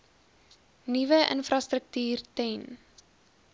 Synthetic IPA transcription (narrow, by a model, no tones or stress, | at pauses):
nivəʔə̰nfrɐstrək̚tyːrtɛn